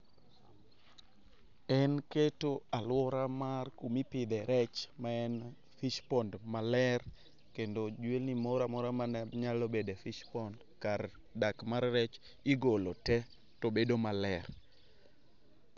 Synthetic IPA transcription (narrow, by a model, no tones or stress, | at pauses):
ɛnketoalwɔɾamarkumipɪd̪ɛɾɛt͡ʃmaɛn | fiʃpɔndmalɛr | kendod͡ʒwelnimɔɾamɔɾamaɲalobedefiʃpɔnd | kaɾ | dakmarːɛt͡ʃ | iɡolotɛ | tobedomalɛr